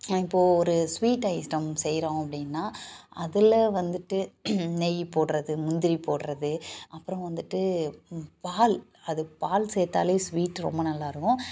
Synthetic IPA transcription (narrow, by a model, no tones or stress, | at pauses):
ɪpːoːɔɾɯsʋiːʈːɐɪsʈɐmsɛjɾõːɐpːɐɽɪnːaːʔɐðɪlɐʋɐnd̪ɯʈːɯnɛjpoːʈɾɐðɯmʊnd̪ɪɾipoːʈɾɐðɯʔɐpːɯɾɐ̃ʋɐnd̪ɯʈːɯ | paːl | ɐðɯpaːlsɛːt̪a̰ːleːsʋiːʈːɾɔ̰mbɐnɐlːaːɪɾɯkːʊ̃